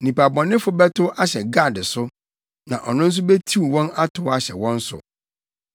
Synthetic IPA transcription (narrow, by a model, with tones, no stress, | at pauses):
nĩ˨pa˨bɔ̃˨nɪ̃˦fʊ˦bɛ˦tʰʊ˦ʔa˦ɕɛ˨ɡa˦˨dɪ˨sʊ˦ | nã̰˨ʔɔ˨nʊ̃˦n̩˦s̬ʊ˦bɛ˦tʰi˦˨wɔ̃˦na˦tʰʊ˨˦a˦ɕɛ̰˨wɔ̃˦n̩˦sʊ̰˨